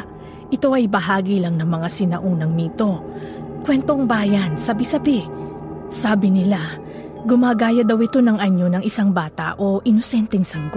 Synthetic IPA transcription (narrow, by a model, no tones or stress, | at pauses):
ʔɪt̪o̞ʔɐjbɐɦaːɡilɐŋnɐŋmɐŋasɪnɐʔuːnɐŋnɪt̪o̞kwɛnt̪o̞ŋbaːjɐnsɐbisɐbɪ | saːbɪnɪla | ɡʊmaːɡaːjɐd̪ɐwɪt̪o̞nɐŋɐɲo̞nɐŋɪsaŋbaːt̪ɐ̰ʔo̞ʔɪnosɛnt̪ɛŋsɐŋɡo